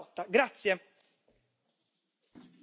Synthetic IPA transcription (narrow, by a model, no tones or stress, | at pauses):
t̪aɡɾat̪sjə